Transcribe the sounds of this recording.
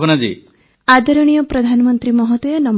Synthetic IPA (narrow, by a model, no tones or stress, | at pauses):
bnad͡ʒḭ | ad̪ɔɾɔɽ̃ijɔpɾɔd̪ʱanɔmɔnt̪ɾimɔɦɔt̪ɔjɔnɔm